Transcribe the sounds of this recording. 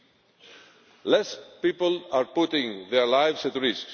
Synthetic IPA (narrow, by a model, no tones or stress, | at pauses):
lɛspipəlaɹput̪ɪ̃ŋðɛɹlajvsatɹɪsk